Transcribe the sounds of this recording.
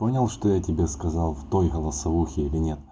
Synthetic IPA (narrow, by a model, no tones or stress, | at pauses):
ponʲɪlˠʂt̪ojatʲɪbʲeskɐzɑlˠft̪ojɣəlˠəsɐvuxʲɪɪlʲɪnʲet̪̚